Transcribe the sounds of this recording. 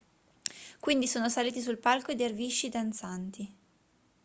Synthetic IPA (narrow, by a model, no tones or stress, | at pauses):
kwind̪isoːnosaliːt̪is̬ulpalkoed̪erviʃːid̪ant̪sant̪i